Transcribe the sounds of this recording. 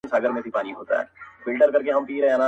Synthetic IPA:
saːɡəɾmẽsipaːniɦoːt̪a̰ɦɛ̰ːfɪlʈəɾkɐɾkeɦɐmpiːɾɦɛ̃ɐnaː

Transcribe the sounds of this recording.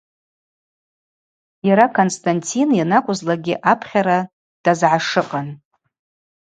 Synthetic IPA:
jaɾakʰonstʰʼantʰinjanakʷʼʊzlaɡʲɪʔapʰχʲaɾa | d̥azʕaʂɨqʼan

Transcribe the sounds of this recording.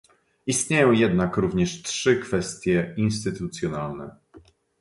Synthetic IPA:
ist̪ɲejɔ̃w̃jɛd̪nakɾuvɲɛʂtʂɘkfɛst̪ʲjɛinst̪ɘt̪ut̪sʲjɔnalnɛ̰

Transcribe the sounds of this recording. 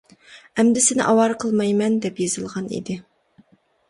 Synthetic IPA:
ɛmd̪ɪsɪnɪ̰ʔɑwɑɾqʰəlˠmɑjmɛnd̪ɛpjez̥ɨlˠʁɑnḭd̪ɪ

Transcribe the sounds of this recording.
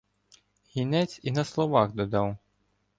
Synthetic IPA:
ɦʲinɛt͡sʲinɐslˠɔʋɑɣd̪ɔd̪ɑw

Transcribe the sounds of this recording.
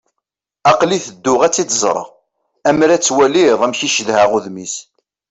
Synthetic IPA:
ɑqliθəd̪ːʊʁæt͡sːit͡s̪zˤɾˤə̰ʁ | æmɾæt͡sːwæliðˤæmçiʃəðhæʁʊðmis

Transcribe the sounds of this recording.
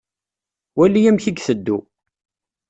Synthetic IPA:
wælːijæmçiɡθəd̪ːu

